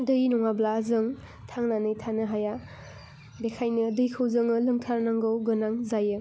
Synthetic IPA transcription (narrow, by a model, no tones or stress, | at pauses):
dɯjnɔŋablaːzɯŋ | tʰaŋnanɯjtʰanɯɦaja | bekʰajnɯdɯjkʰɯwzɯŋɯlɯŋtʰaɾnaŋɡɯwɡɯnaŋzajɯ